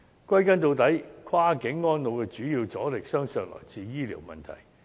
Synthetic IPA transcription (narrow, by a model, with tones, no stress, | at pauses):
kʷwɐ˥jkɐ˥nt̪o˧wt̪ɐ˨˥jkʷʰwaː˥kɪ˨˥ŋːɔː˥nlo˨˧wkɛː˧t͡ʃyː˨˥jiː˧wt͡sɔː˨˥lɪ˨k̚sœː˥ŋsœː˨˧ŋlɔ̰ː˨˩jt͡siː˧jiː˥lḭː˨˩wmɐ̰˨˩nt̪ʰɐ̰˨˩j